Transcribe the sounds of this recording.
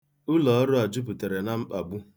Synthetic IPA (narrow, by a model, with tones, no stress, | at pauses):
ʊ˦lɔ˨ɔ˦ɾʊ˦a˨d͡ʒʊ˦p̬u˨te˨ɾe˨na˦ŋ͡m̩˦k͡pa˨bu˦